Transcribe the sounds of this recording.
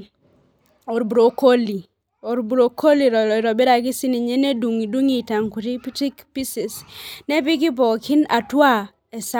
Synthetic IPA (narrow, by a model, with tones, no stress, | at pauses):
o˨ɾbu˨ɾo˨ko˦li˨ | o˨ɾbu˨ɾo˨kʰo˦li˨ɾo˨lɾo˨be˦ɾa˨ki˦si˦ni˨ɲe˦ne˦du˨ŋi˨du˦ŋi˨ta˨ŋku˨ɾi˦pti˦kpi˦si˨sne˦bi˦ki˦bo˨ki˦na˨tu˦a˦ | e˨sa˦